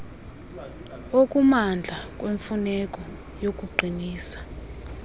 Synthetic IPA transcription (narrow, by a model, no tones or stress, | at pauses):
okʼumand͡ɮʱakʼweɱfunɛkʼɔ | jok̬ʼuɡ͡ǃʱiniːsḁ